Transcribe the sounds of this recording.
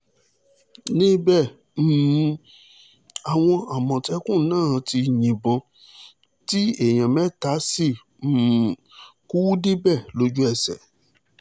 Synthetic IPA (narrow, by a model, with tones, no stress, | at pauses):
nĩ˦bɛ˦˨ | m̩˦˨˦ | a˨w̃ɔ̃˧a˨mɔ̃˨tɛ˧˦kũ˦˨˦nãː˦˨˧ti˧ɲĩ˨bɔ̃˧ | ti˦e˦˨j̃ã˨mɛ̃˨˦ta˨˦si˦˨ | ku˦wu˦di˦bɛ˦˨lo˧d͡ʒu˦ɛ˦˨sɛ̰˨